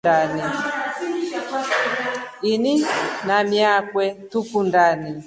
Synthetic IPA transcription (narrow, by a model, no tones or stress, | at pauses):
ani | ininamjakwɛtukundani